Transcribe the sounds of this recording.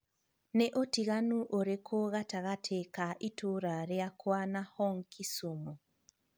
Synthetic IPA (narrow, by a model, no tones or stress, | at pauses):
neʔotiɣanuʔoɾekʰoɣataɣatʰekaʔitoɾaɾeakwanahɔŋkʰisomɔ